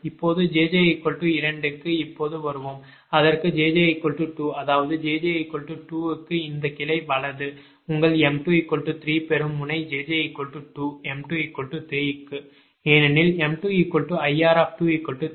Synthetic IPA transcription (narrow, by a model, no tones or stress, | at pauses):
ɪpːoːðɯd͡ʒeːd͡ʒɐɐɪkːɔɭʈːɯɪɾɐɳɖɯkːɯɪpːoːðɯʋɐɾɯʋom | ɐðɐrkɯd͡ʒeːd͡ʒɐɐɪkːɔɭʈːɯʈːuːɐðaːʋɐðɯd͡ʒeːd͡ʒɐɐɪkːɔɭʈːɯʈuːɯkːɯɪnd̪ɐkɪlɐɪʋɐɭɐðɯ | ʊŋɡɐɭɛmʈuikːɔɭʈːɯt̪ɾiːpɛɾɯmːʊnɐɪd͡ʒeːd͡ʒɐɐɪkːɔɭʈːɯʈːuːɛmʈuikːɔɭʈːɯt̪ɾiːɪkːɯ | eːnɐnɪlɛmʈuiːkɔɭʈːɯɐjaːɾaːpʈuiːkːɔɭʈːɯ